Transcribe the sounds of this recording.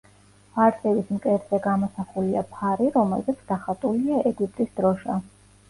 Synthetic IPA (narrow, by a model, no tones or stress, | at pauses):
vaɾsʼɛbismkʼɛɾzɛɡamɔsaχuliapʰaɾiɾɔmɛ̰lzɛt̪sʰd̪aχat̪ʼuliaʔɛɡip̚ʼt̪ʼisd̪ɾɔʃa